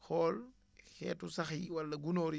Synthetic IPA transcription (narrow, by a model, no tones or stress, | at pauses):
xɔːl | xɛ̰ːtusɐxiwɐlːɐɡunɔːɾi